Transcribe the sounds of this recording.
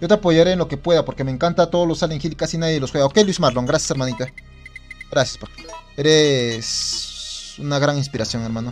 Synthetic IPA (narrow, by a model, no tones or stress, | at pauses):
jot̪eapoʝaɾeːnlo̞kepwe̞ðapoɾkemeːŋkant̪at̪oðolosaleŋxilikasinaðjeelosweɣaokelismaɾloŋɡɾasjḁseɾmanit̪a | ɡɾasjḁspakeɾes | unaɣɾaninspiɾasjoŋeɾmano